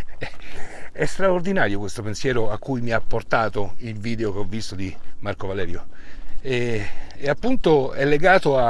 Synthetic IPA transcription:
ɛɛst̪ɾaord̪inaːɾjokwest̪opensjɛːɾoakːujmiapːort̪aːt̪oilviːd̪eokeɔvːist̪od̪imarkovalɛːɾjo | ɛeapːunt̪oɛlːeɡaːt̪oa

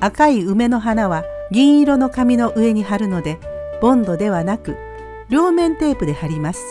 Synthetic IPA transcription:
akaiɯ̟me̞no̞ɦanaβaɡʲĩɰ̃iɾo̞no̞kamʲino̞ʔɯ̟e̞ɲ̟iɦaɾɯ̟no̞d̪e̞b̥õ̞nd̪o̞d̪e̞βanakɯ̟ | ɾʲo̞ːmẽ̞nt̪e̞ːpɯ̟d̪e̞haɾʲimasɨ̥

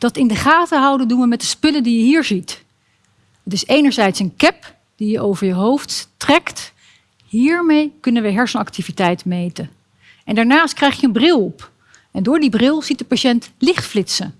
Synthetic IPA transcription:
d̥ɑtɪndəχaːtəɦʌwdəndunʋəmɛt̚dəspɵləndijəɦiːɹzit | ɦətɪsejnəɹzɛjtsənkɛp | d̥ijəʔowvəɹjəɦowfttrɛkt | ɦiːɹmejkɵnənʋəɦɛɹsənɑktivitɛjtmejtən | ʔɛndaːɹnaːst̚krɛjχjəənbrɪlˠɔp | ɛndʊːɹdibrɪlˠz̥it̚dəpaʃɛntlɪχtflɪtsə

